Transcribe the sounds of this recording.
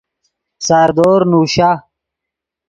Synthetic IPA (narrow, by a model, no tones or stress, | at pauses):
saːɾd̪oːɾnuːɕaː